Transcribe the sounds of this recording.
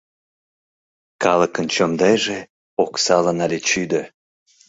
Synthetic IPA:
kɑləkənt͡ɕomd̪ɑjʒe | oksɑlənɑlet͡ɕyd̪ə

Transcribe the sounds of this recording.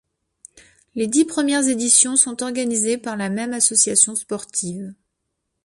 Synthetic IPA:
led̪ipχəmjɛʁzed̪isjɔ̃sɔ̃t̪ɔʁɡanizepaʁlamɛmasɔsjasjɔ̃spɔʁt̪ʰiv

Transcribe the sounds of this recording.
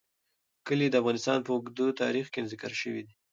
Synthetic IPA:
kəlid̪əafɣɑnɪst̪ɑnpəʊɡd̪ut̪ɑ̰ɾixkenzɪkaɾʃəwid̪i

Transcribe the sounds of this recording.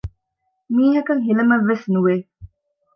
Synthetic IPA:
miːɦɐkɐŋɦilɐmɐʋːesnuʋeː

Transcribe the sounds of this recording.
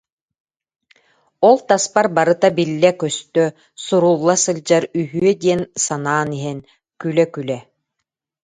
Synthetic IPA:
ɔlˠt̪aspaɾbaɾɯt̪abilːɛkœst̪œ | suɾuːlˠːasɯlʲd͡ʑaɾyɦyœd̪iɛnsanaːniɦɛn | kylɛkylɛ

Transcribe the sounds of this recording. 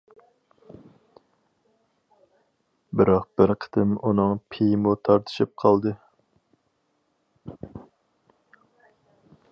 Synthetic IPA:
bɪɾɑq̚b̥ɪɾqʰə̥t̪ɨmunɨŋpʰijmut̪ʰɑɾt̪ʰɨ̥ʃip̚qʰɑlˠd̪ɨ

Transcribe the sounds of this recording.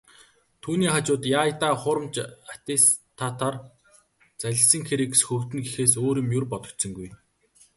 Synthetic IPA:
t̪ʰuːniːχat͡ɕʊːt̪jaːjt̪aːχʊɾə̆mt͡ɕat̪est̪ʰːat̪ʰar | t͡sæɮʲɪ̆sə̆ŋxeɾĭːksxɵwt̪ɘ̆nɡixeːsoːɾĭmjurpɔt̪ɞ̆t̪sə̆ŋɡuj

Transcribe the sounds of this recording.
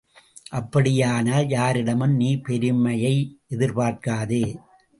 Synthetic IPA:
ʔɐpːɐɽɪjaːnɐjaːɾɪɽɐmɯmniːpɛɾɯmɐjɐɪʔɛðɪɾpaːɾkaːðɯː

